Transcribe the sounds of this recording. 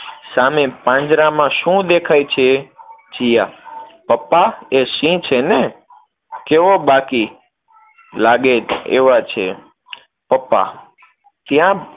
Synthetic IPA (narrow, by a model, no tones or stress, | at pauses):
samepãɲd͡ʒɾãmãʃũd̪ekʰajt͡ʃʰed͡ʒijapəpːaeʃĩt͡ʃʰene | keʋobaki | laɡed͡ʒḛʋat͡ʃʰḛ | pəpːa̰ | t̪jã